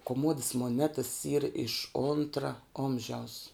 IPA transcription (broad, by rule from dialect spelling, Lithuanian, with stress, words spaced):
koːˈmoːdɐs moːˈnʲæːtɐs iːr ɪʃ ˈoːntrɐ ˈoːmʲʒʲɛʊs